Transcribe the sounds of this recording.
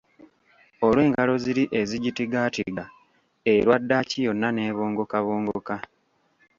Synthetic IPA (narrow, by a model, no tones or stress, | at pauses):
olwe̞ːŋɡalo̞ziɾiʔe̞ziɟitiɡatḭɡa | eɾwadːacijo̞nːane̞ːβoːŋɡo̞kaβoːŋɡoka